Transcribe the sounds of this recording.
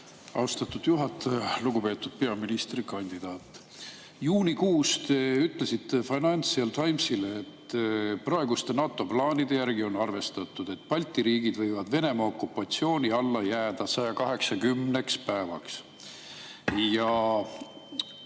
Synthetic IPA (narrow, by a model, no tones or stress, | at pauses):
ɑ̰wst̪ɑt̪ːˑud̪̥juɦɑt̪ˑːɑjɑluɡ̥upe̞ːt̪ːˑud̪̥̚pe̞ɑminist̪rikɑnʲd̪̥id̪̥ɑːt̪ːˑ | juːnʲikuːst̪yt̪ˑle̞sit̪ːefɑjnɑnʲt̪siɑlt̪ʰɑjmsileːt̪ːprɑe̞ɡust̪e̞nɑːt̪ːˑo̞plɑːnid̪e̞jærɡio̞nɑrve̞st̪ɑt̪ːˑud̪̥e̞t̪ːˑpɑlʲt̪ːˑiɾiːɡid̪̥vɤjvɑd̪ve̞ne̞mɑo̞kːˑupːɑt̪sio̞ːnʲiɑlːɑjæːd̪̥ɑsɑjɑkɑɦe̞ksɑkymnekspæevɑ̰ks | jɑ